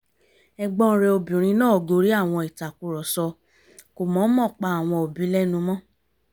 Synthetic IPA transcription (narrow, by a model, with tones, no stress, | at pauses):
ɛ˧ɡ͡bɔ̃˦ɾɛ˧o˧bĩ˨ɾ̃ĩ˧˦nãː˦˨ɡo˧˦ɾi˨˦a˦˨w̃ɔ̃˧i˨ta˨ku˧˦ɾɔ˨sɔ˧ | ko˨mɔ̃˨˦mɔ̃˦˨k͡pa˧a˨w̃ɔ̃˧o˨bĩ˨˦lɛ˦nũ˧mɔ̃˦